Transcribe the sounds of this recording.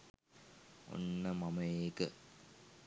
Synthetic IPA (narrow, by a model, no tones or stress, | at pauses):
o̰nːəmɐmɐjeːkə